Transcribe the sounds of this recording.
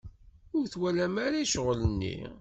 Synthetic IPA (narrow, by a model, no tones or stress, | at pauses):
ʊɾθwælæmaɾaiʃʁlənːḭ